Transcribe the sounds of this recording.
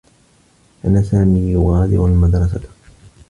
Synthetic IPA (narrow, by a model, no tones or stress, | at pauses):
ʔanasaːmiːjʊɣaːd̪ɪ̰ɾalmad̪ɾˤɑs̬a